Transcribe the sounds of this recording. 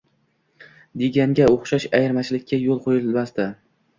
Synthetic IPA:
d̪eɡʲaŋɡʲaoχʃaʃajɪɾmat͡ʃʰlɪkʲʰːajolˠqʰojɪllmast̪a

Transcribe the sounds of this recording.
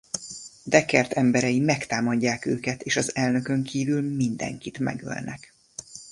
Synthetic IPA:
d̪ɛkɛrt̪ʰɛmbɛɾɛjimɛkt̪aːmɒɟːaːkøːkɛt̪eːʃɒzɛlnøkø̞ŋkʰiːvylmind̪ɛ̰ŋkit̪mɛ̰ɡø̰lnɛ̰k

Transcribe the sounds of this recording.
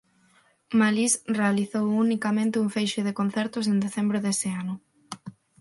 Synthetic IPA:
malisrealiθowunikamẽnt̪ɪuɱfejʃʊðekon̟θɛɾt̪ʊs̬ẽnd̪eθembɾʊðesɪanʊ

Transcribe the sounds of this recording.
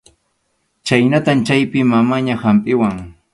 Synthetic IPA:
t͡ʃajnat̪amt͡ʃajpɪmamaɲahampʼɪwaŋ

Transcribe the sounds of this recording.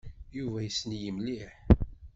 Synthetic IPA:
juvæjəsənjəmliħ

